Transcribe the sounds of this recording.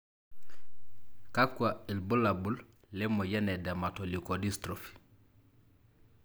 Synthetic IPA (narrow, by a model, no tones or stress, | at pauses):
kakʷːwailbulabul | lemojenedematolikodistɾofi̥